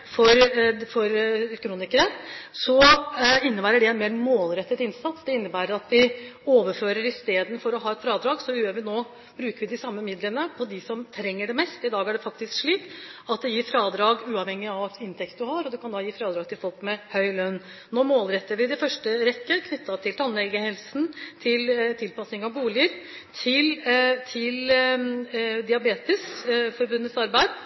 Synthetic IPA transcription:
fɔɾfɔɾkʰɾuːnɪkəɾəsɔɪnːəbæːɾəɖɛɛnmeːɾmoːlɾɛt̪ːət̪ɪnsɑt̪sd̪ɛɪnːəbæːɾəɾɑt̪ʋɪoːʋəɾføːɾəɾɪst̪eːd̪nfɔɾɔɦɑːɛt̪fɾɑːd̪ɾɑːɡsɔʉøːʋɪnoː | bɾʉːkəɾʋɪd̪ɪsɑmːəmɪd̪lənəpʰɔd̪ɪsɔmt̪ʰɾɛŋːəɖɛmɛst̪ɪd̪ɑːɡæɖɛfɑk̚t̪ɪskʂɭiːk̪ɑt̪̚d̪ɛjiːɾfɾɑːd̪ɾɑːɡʉːɑʋhɛŋːɪɑʋɪnt̪ʰɛk̚t̪̚d̪ʉhɑɾɔd̪ʉkʰɑnɑjiːfɾɑːd̪ɾɑːɡ̚t̪ʰɪlfɔlˠkmɛhœʏlœnː | noːmoːlɾɛt̪ːəɾʋɪɪd̪ɛfœʂʈəɾɛkːəkʰnʏt̪ːɑt̪ʰɪlt̪ʰɑnːɛlɡəhɛlsn̩t̪ʰɪlt̪ʰɪlpɑsnɪŋɑʋbuːlɪəɾ | t̪ʰɪlt̪ʰɪl | d̪ɪɑbeːt̪ɪsfɔɾbʉnːət̪sɑɾbæɪd̪

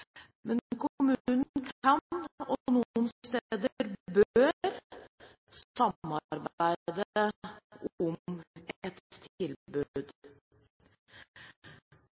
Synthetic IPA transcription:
mɛnkʰʊmʉːnn̩kʰɑnɔnuːənst̪ed̪əəɾbøːɾ | sɑmɑɾbæɪd̪əə | ʊmɛt̪t̪ʰɪlbʉd̪

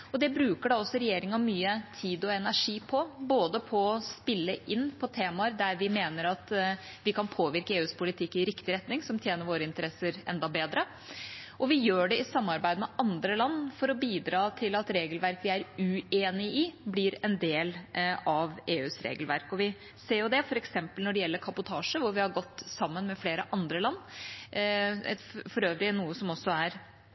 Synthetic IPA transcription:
ɔd̪ɛbɾʉːkəɖɑɔsːɔɾɛjeːɾɪŋɑmyːət̪ʰiːd̪ɔɛnæʂiːpʰɔboːd̪əpʰɔɔspɪlːəʔɪnːpʰɔt̪ʰeːmɑəɾd̪æɾʋɪmeːnəɾɑt̪ | ʋɪkʰɑnpʰoːʋɪɾkəeːʉːspʰʊlɪt̪ʰɪkːɪɾɪkt̪ɪɾɛt̪nɪŋsɔmt̪ʰjeːnəɾʋoːɾəɪnt̪əɾɛsːəɾɛ̰nd̪ɑbeːd̪ɾə | ʔɔʋɪjøːɖɛɪsɑmːɑɾbæɪd̪əmɛɑnd̪ɾəlɑnːfɔɾɔbiːd̪ɾɑːt̪ʰɪlɑt̪ɾeːɡəlʋæɾkʋɪæɾʉeːnɪɪblɪɾɛnd̪eːlɑʋeːʉːsɾḛːɡəlʋæɾkɔʋɪ | seːɾjʊd̪ɛfɔɾɛksɛmpəlnɔɖɛjɛlːəɾkʰɑbʊt̪ʰɑːʂəʋʊɾʋɪhɑɾɡɔt̪ːsɑmːənmɛfleːɾəʔɑnd̪ɾəlɑnː | ɛfɔɾøːʋɾɪnːuːəsɔmɔsːɔæɾ

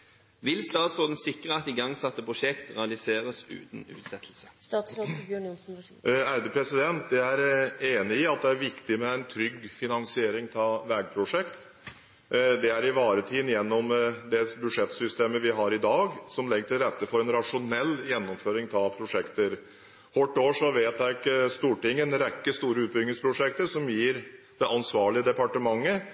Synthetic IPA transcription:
ʋɪlst̪ɑːt̪sɾoːd̪n̩sɪkːɾəɑt̪ɪɡɑŋsɛt̪ːəpʰʁʊʂɛkt̪ʁɛɑlɪseːɾəsʉ̰ːt̪n̩ʉ̰ːt̪sɛt̪ʰl̩sə̥s | æɾd̪ɛpʰɾɛsɪd̪ɛnt̪d̪ɛæɾeːnɪɪɑt̪̚d̪ɛæɾʋɪkt̪ɪmɛæɪnt̪ʰɾʏɡfɪnɑnsɪeːɾɪŋt̪ʰɑʋɛːɡ̚pʰɾʊʂɛkt̪ | d̪ɛæɾɪʋɑːɾət̪ʰiːd̪ənjɛnːɔmd̪ɛbʉʂɛt̪sʏst̪eːməʋɪɦɑɾɪd̪ɑːɡsɔmlɛɡːəʈʰɪlɾɛt̪ːəfɔɾɛnɾɑʂʊnɛlːjɛnːɔmføːɾɪŋt̪ʰɑpʰɾʊʂɛkt̪əɾ | hɔʈːoːʂɔʋeːt̪ækəst̪uːʈɪŋːənɾɛkːəst̪uːɾəʉːt̪̚bʏŋːəspʰɾʊʂɛk̚t̪əɾʂɔmjiːɾd̪̥ɛʔɑnsʋɑːɭɪəd̪ɛpɑʈəmɑŋːə

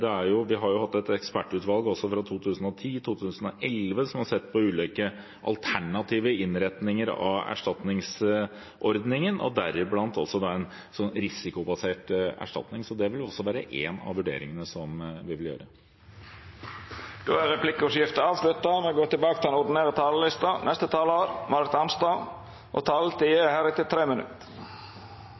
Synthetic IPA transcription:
d̪ɛæɾjʊʋɪɦɑɾjʊhɑt̪ːɛt̪ɛkspæʈːʉːt̪ʋɑlɡɔsːɔfɾɑt̪ʰuːt̪ʰʉːsən̩ɔt̪ʰiːt̪ʰuːt̪ʰʉːsən̩ɔʔɛlʋəsɔmhɑsɛt̪ːpʰɔʉːliːkə | ʔɑ̰lt̪ʰæɳɑt̪ʰiːʋəɪnɾɛt̪nɪŋəɾɑ̰ʋæ̰ʂʈɑt̪nɪŋs | ʔɔɾd̪nɪŋənʔɔ̰d̪æɾɪblɑnt̪ɔ̰sːɔd̪ɑɛn | sɔnɾɪsɪkʊbɑseːʈæ̰ʂʈɑ̰t̪nɪŋsɔd̪ɛʋɪlɔsːɔʋæːɾəʔḛːnɑ̰ʋʉɖḛːɾɪŋənəsɔmʋɪʋɪljø̰ːɾə | d̪̥oːæɾɛpʰlɪkːəʊʂjɪft̪əɑːʋslʉt̪ːɑmɛɡoːɾt̪ɪlbɑːkət̪ɪlɛnɔɖ̪ɪnæːɾət̪ʰɑːləlɪst̪ɑnʔɛst̪ət̪ʰɑːloːɾmɑɾt̪ɑnst̪ɑ | ʔɔ̰t̪ʰɑːlət̪ʰiəhæːɾɪt̪ɪlt̪ʰɾeːmənʉ̰t̪

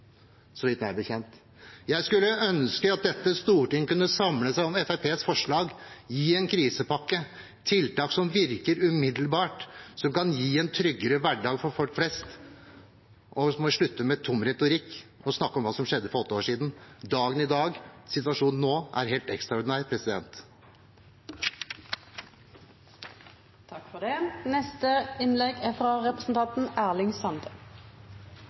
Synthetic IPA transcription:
sɔʋɪt̪nmæɪbəçɛnt̪ | jæɪskʉlːəʔœnskəɑt̪̚d̪ɛt̪ːəst̪uːʈɪŋkʉnːəsɑmləsæɪɔmɛfæɪpʰeːsfɔʂɭɑːɡjiːɛnkʰɾiːsəpɑkːə | t̪ʰɪlt̪ɑːksɔmʋɪɾkəɾʉmɪd̪l̩bɑːʈsɔmkʰɑnjiːɛnt̪ʰɾʏɡːəɾəʋæɖɑːɡfɔɾfɔlkflɛst̪ | ʔɔmɔʂɭʉt̪ːəmɛt̪ʰʊmɾɛt̪ʊɾɪkːɔsnɑkːɔmʋɑːsɔmʂɛd̪ːəfɔɾɔt̪ːəoːʂiːd̪n̩d̪ɑːɡənɪd̪ɑːɡsɪt̪ʋɑʂuːnn̩ːoːʔæ̰ɾɦeːlt̪ɛkst̪ɾɑʊɖɪnæːɾpʰɾɛsɪd̪ɛ̰nt̪ | t̪ʰɑkfɔd̪eːnɛst̪əɪnlɛɡæfʁɑɾɛpɾəsn̩t̪ɑnt̪n̩æʁlɪŋsɑnd̪ə

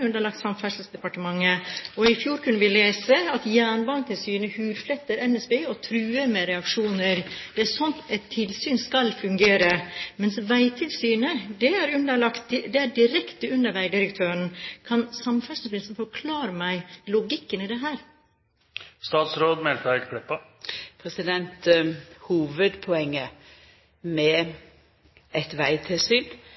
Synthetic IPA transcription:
ʉnd̪əɭɑk̚t̪sɑmfæʂəl̩sd̪ɛpɑʈəmɑŋːəɔɪfjuːɾkʰʉnːəʋɪleːsəɑt̪jæːɳbɑnt̪ʰɪlsyːnəhʉːɾflɛt̪ːəɾɛnɛsbeːɔt̪ʰɾʉːəɾmɛɾɛɑkʂuːnəɾd̪̥ɛæɾsɔnt̪ɛt̪ʰːɪlsyːnskɑlfʉŋɡeːɾəmɛnsʋæɪt̪ʰɪlsyːnəd̪ɛæɾʉnd̪əɭɑkt̪̚d̪ɛæɖɪɾɛkt̪əʉnːəɾʋæɪd̪ɪɾəkt̪ʰøːɾənkʰɑnsɑmfæʂnəpɾɪsn̩fɔɾkʰlɑːɾəmæɪlʊɡɪkːənɪd̪ɛɦæːɾ | st̪ɑːt̪sɾoːd̪mɛlkɑɪd̪kʰɽɪpːə | pʰɾɛsɪd̪ɛnt̪huːʋəd̪pʰɔɛŋːə | mɛ | ɛt̪ʋæɪt̪ʰɪlsyːn

